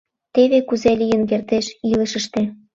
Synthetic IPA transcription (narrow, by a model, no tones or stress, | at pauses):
t̪eβekuzelʲijənk̬ert̪eʃiləʃə̆ʃt̪e